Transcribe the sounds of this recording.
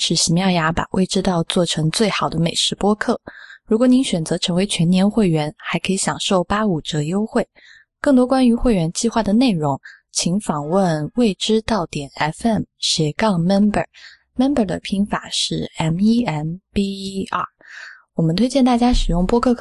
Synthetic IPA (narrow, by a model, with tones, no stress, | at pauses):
ʂɻ̩˥˩ɕi˧˥mjɑ˥˩ʊja˧˥pa̰˨˩wʔḛ˥˩ɪʈ͡ʂɻ̩˥t̪ɑ˥˧ʊt͡swɔ˥˩ʈ͡ʂʰɤ˧˥ŋt͡swe˥˩ɪxɑ˨˩ʊd̪ə˦me˨˩ɪʂɻ̩˧˥pwɔ˥kʰɤ˥˩ɻu˧˥kwɔ˧˥ni˧˥nɕɥɛ˨˩nt͡sɤ˧˥ʈ͡ʂʰɤ˧˥ŋwe˧˥ɪt͡ɕʰɥɛ˧˥nnjɛ˧˥nxwe˥˩ɪɥɛ˧˥nxa˧˥ɪkʰɤ˧˥i˧˥ɕjɑ˨˩ŋʂo˥˩ʊpa˥u˨˩ʈ͡ʂɤ˧˥jo˥ʊxwe˥˩ɪ | kɤ˥˩ŋt̪̬wɔ˥kwa˥ny˧˥xwe˥˩ɪɥɛ˧˥nt͡ɕi˥˧xwa˥˩d̪ə˩ne˥˩ɪɻʊ˧˥ŋ | t͡ɕʰi˧˥ŋfɑ˨˩ŋwə˥˧nwe˥˩ɪʈ͡ʂɻ̩˥t̪ɑ˥˩ʊt̪jɛ˨˩nɛ˥fɛ˥˩mɕjɛ˨˥kɑ˥˩ŋmɛ˥nbə̰˞˨˩˦ | mɛ˥nbə˞˨˩d̪ə̰˦pʰi˧˥ŋfa̰˨˩ʂɻ̩˥˩ɛ˧˥ni˥ɛ˥˩npi˥ɐ˥˩wɔ˨˩mə˦nt̪ʰwe˥ɪt͡ɕjɛ˥˧nt̪a˥˩t͡ɕja˥ʂɻ̩˨˩jʊ˥˩ŋpwɔ˥kʰɤ˥˧